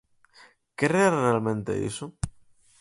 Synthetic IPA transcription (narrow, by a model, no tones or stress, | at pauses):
kerearealmẽnt̪ḛḭso